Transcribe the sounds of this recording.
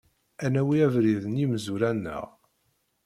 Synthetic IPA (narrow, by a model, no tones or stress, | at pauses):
ænæwiævɾiðənimzuɾænːə̰ʁ